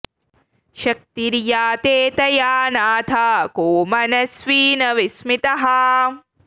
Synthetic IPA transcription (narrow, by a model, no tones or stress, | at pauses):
ʃɐk̚t̪iɾjaːt̪eːt̪ɐjaːnaːt̪ʰaːkoːmɐnɐsʋiːnɐʋismit̪ɐɦɐ